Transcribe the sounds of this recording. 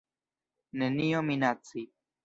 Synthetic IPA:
nenijominat͡si

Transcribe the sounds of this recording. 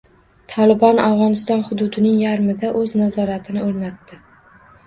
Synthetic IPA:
t̪ʰɒlɪbɒnawʁɒnɪst̪ɒnχʊd̪ʊd̪ɪnɪŋjaɾmɪd̪aʔɵznazɒɾat̪ʰɪnɪoɾnat̪ːɪ

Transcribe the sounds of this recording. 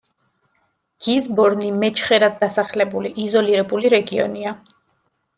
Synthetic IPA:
ɡ̥izbɔɾnimɛt͡ʃʰχɛɾad̪̚d̪asaχlɛbuliʔizɔliɾɛbuliɾɛɡiɔ̰nia

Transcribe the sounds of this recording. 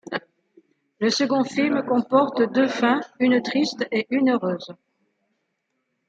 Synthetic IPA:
ləsəɡɔ̃filmkɔ̃pɔʁt̪d̪øfɛ̃ynt̪χist̪eʔynøʁøːz

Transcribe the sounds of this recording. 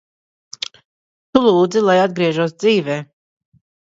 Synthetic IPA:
t̪ulˠuːd̪zilˠajad̪ɡɾiɛʒuɔsd̪ziːvɛː

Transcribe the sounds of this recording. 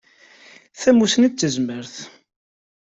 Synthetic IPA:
θæmːusnət͡sːəzməɾθ

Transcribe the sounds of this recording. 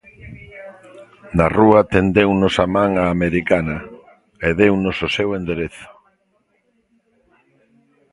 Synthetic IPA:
naruat̪end̪ewnosamãŋaːmeɾikanɐ | eðewnʊsosewend̪eɾeθʊ̥

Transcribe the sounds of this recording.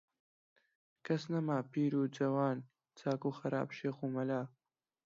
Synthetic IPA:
kʰɐsnɐmaːpʰiːɾuːd͡ʒɐwaːn | t͡sʰaːkuːxɐɾa̰ːbʃeːxuːmɐlaː

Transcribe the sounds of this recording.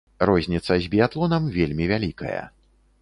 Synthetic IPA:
rɔzʲnʲit̪sɐzʲbʲijat̪lˠɔnɐmvʲelʲmʲivʲalʲikɐ̰jɐ̰

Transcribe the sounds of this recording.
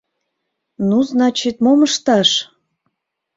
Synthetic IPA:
nuznɑt͡ɕit̪̚moməʃt̪ɑʃ

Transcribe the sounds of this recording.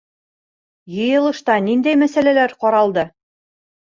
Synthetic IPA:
jɤ̆jɤ̆lˠɤ̆ʃt̪ɑnind̪æjmæsælælæɾqɒɾɑlˠd̪ɤ

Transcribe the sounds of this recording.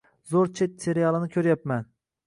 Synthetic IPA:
zoɾt͡ʃʰet̪seɾijɑlˠɨnɪkʲʰøɾjapmɛn

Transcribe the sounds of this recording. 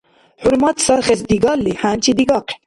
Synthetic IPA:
ħuɾmat̪sɐɾxesd̪iɡaːlːiħaːnt͡ʃid̪iɡɑq

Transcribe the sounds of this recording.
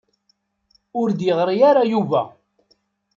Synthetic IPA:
ʊɾd̪jəʁɾijaɾajuvæ̰

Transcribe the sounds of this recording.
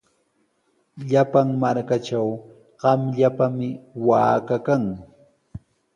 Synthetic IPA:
ʎapaŋmaɾkaʈ͡ʂaw | ɢ̥ɑmʎapamɪwaːkakaŋ

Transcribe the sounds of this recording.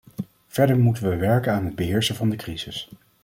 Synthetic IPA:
v̥ɛɹdəɹmutəʋəʋɛɹkənaːnɦəd̚bəɦɪːɹsəvɑndəkrizɪs

